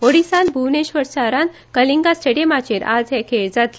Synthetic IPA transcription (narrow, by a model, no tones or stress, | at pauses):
oɽisãnbʱuʋneɕʋəɾsaɾan | kəliŋɡasʈeɽiemat͡ɕeɾa̰d͡zɦɛkʰeɭd͡zat̪